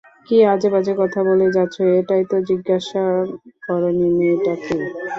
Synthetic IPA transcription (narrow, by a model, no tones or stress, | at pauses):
kiad͡ʑebad͡ʑekɔt̪ʰaboled͡ʑatːɕʰoeʈajt̪od͡ʑiɡːaʃabɔɾoninieʈaki